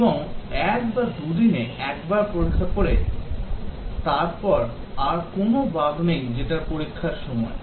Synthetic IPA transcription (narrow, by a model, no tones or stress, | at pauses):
eboŋɛkbad̪ud̪ineʔɛkbaɾpoɾikʰːakoɾe | t̪aɾpɔɾ | aɾkonobabʱmejd͡ʑeʈaɾpoɾikʰːaɾʃɔmɔ̰e